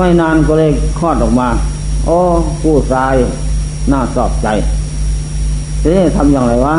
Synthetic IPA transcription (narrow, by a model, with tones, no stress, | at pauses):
ma˧˩˨jnaː˧˨nkɔː˧˨lɤː˧˩˨jkʰɔː˧˩t̪̚ʔɔː˨k̚maː˧˥ | ʔoː˧˥˩kuː˧˩saː˧˥j | naː˧˩sɔː˨˩p̚t͡ɕa˨˧j | siː˧˦˥t̪ʰa˧mjaː˧˩ŋɾa˧˩jwaː˧˥˨